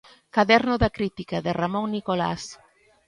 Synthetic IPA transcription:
kaðɛɾnoðakɾit̪ikaðeramõŋnikola̰s

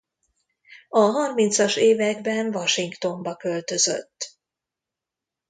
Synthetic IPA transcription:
ɒɦɒrmint̪sɒʃeːvɛɡbɛnvɒʃiŋkt̪o̞mbɒkø̞lt̪ø̞zø̰t̪ː

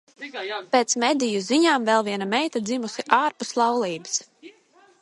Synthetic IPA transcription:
peːt̪smɛd̪ijuziɲaːmvɛlˠviɛnamɛjt̪ad̪zimusiʔaːɾpuslˠɑwlˠiːbɨ̥s

